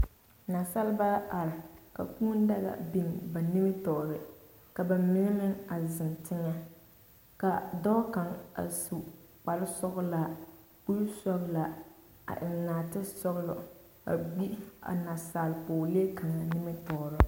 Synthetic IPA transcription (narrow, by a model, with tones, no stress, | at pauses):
na˨sa˦lba˦ʔa˨ɾɪ˨ka˨kuː˦n˦da˦ɣa̰˨bi˦˨nba˨nɪ˦mɪ˦tɔː˨ɾɪ˨ | ka˨ba˨mɪ˦ŋɛ˦mɪ˦ŋa˨zɪ˨ntɪ˦ŋa˦ | ka˨dɔː˦ka˨ŋa̰˨su˨k͡pa˨lɪ˦sɔ˦ɣʊ˦la˨ | ku˦ɾsɔ˦ɣla˨ | a̰˨ʔɪ˨n˨naː˨tɪ˦sɔ˦ɣlɔ̰˨ | a̰˨ɡ͡bi˦a̰˨na˨saː˨lpʊː˨le˦ka˨ŋa˨nɪ˦mɪ˦tɔː˨ɾɔ˦